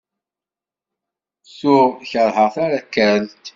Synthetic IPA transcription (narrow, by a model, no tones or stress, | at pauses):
sʊʁçəɾˤhəʁθaɾakːəɾlt̪